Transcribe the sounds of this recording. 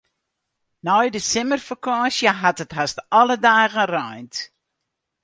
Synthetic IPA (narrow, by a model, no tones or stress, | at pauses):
nɔjdəsɪmərfakɑːsjəɦatətɦastɑlədaːɣərɔjnt